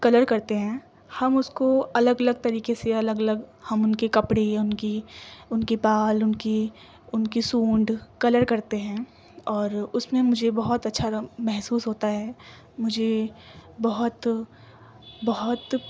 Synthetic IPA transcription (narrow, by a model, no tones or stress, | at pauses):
kɐləɾkɐɾt̪eɦɛ̃ː | hɐmʊskoɐləɡɐləɡ̚t̪ɐɾiːkeseɐləɡɐləɡhɐmʊnkekɐpɽeʊnkiʊnkipaːlʊnki | ʊnkisuːɳɖkɐləɾkɐɾt̪eɦɛ̃ː | ɔːɾʊsmẽmʊd͡ʒʱebɐɦʊt̪ɐtːʃʰamɛɦsuːsɦoːt̪aɦɛː | mʊd͡ʒʱe | bɐɦʊt̪ | bɐɦʊt̪